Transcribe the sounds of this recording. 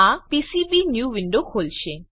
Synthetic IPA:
apisibinjuwiɳɖokʰolt͡ɕʰe

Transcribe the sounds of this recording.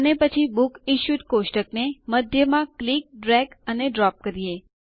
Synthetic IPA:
ənepət͡ʃʰibukiʃut̪koʃʈəkneməd̪ʱjəmãklik̚ɖɾɛɡəneɖɾɔp̚kəɾie

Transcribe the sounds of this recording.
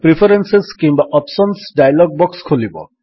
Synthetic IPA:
pɾipʰɔɾenseskimbaʔɔpsɔnsɖajlɔɡ̚bɔkskʰulibɔ̰

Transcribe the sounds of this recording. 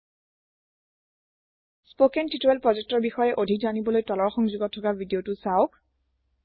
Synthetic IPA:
spokɛntitoɛlpɹɔzɛk̚tɔɹbixɔjɛʔodʱikzanibɔlojtɔlɔɹxɔŋzuɡɔtʰːɔkabʱidiotʊsawʊk̚

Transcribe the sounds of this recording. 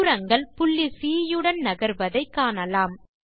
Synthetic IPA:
ɾɐŋɡɐɭpʊɭːisiːjɯɽɐnnɐɣɐɾʋɐðɐɪkːaːnɐlaːm

